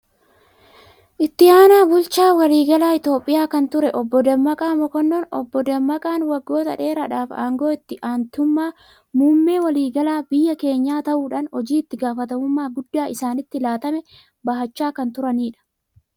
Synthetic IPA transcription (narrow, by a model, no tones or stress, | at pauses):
ʔɪt̪ːɪaːnaːbʊlt͡ʃaːwɐliːɡɐlaːɪt̪o̞ːpʼːɪjaːkɐnt̪ʊɾɛʔɔbːɔd̪ɐmːɐkʼaːmɔkɔnːoːnɔ̰bːɔd̪ɐmːɐkʼaːnwɐɡːo̞ːt̪ɐᶑe̞ːɾɐᶑaːfa̰ːŋɡo̞ːɪt̪ːɪʔaːnt̪ʊmːaː | muːmːe̞ːwɐliːɡɐlaːbɪjːɐke̞ːɲːaːt̪ɐʔuːᶑɐnhɔd͡ʒiːɪt̪ːɪɡaːfɐt̪ɐmʊmːaːɡʊd̪ːaːʔɪsaːnɪt̪ːɪlaːt̪ɐmɛ | bɐɦɐt͡ʃːaːkɐnt̪ʊɾɐniːᶑɐ̥